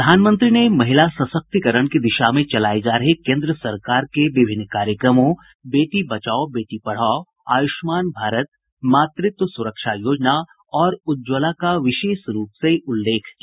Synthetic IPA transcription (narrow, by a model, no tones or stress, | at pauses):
pɾəd̪ʱaːnmə̃nt̪ɾinemɐɦɪlasɐsək̚t̪ikəɾəɽ̃kid̪ɪʃamẽt͡ʃɐlaːed͡ʒaːɾɐɦekẽːnd̪ɾəsɐɾkaːɾkeʋɪbʱɪnːkaːɾjəkɾəmõ | beːʈibɐt͡ʃaːobeːʈipɐɽ̤aːo | a̰ːjʊʃmaːnbʱaːɾət̪̚ | maːt̪ɾɪt̪wəsʊɾəkʃajoːd͡ʒna | ɔːɾʊd͡ʒwəlakaʋɪʃeːʃɾuːpseʊlːeːkʰki